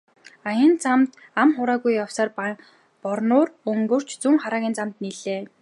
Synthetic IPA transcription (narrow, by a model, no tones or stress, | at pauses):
ajə̆nt͡samt̪ | amχʊɾaːɣujːawsaːr | pɔrnʊːrɵŋɡɵ̆r̥t͡ɕʰt͡suŋχaɾaːɣʲiːnt͡samt̪niɮeː